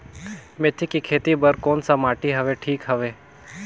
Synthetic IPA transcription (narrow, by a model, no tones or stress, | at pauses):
met̪ʰikikʰeːt̪ibəɾkoːnsamaːʈiɦɐʋeʈʰiːkɦəʋeː